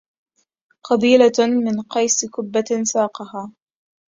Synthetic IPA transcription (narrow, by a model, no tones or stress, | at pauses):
qɑb̪iːlamɪnqɑjskʊbːansɑːqɑɦaː